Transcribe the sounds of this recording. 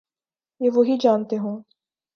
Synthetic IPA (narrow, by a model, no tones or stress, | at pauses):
jeːʋoɦid͡ʒaːnt̪eɦõː